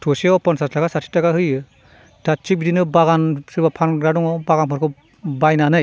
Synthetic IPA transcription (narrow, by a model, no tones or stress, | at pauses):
tʰɔseɔpɔnsastʰaɡasatʰi̥taɡahɯjɯ | tʰat͡ʃik̚bidinɯbaɡansɯɾbapʰanɡɾadɔŋɔbaɣanpʰɔɾkʰɯ | bajnanɯj